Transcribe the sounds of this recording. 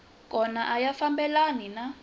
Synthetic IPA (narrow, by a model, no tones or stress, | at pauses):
kʼɔnaʔajafambɛlanina